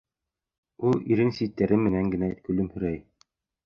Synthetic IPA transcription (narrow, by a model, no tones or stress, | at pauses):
ulˠiɾɘnsit̪ːæɾɘmɘ̆næŋɡɘ̆nækɵ̆lɘmhɵ̆ɾæj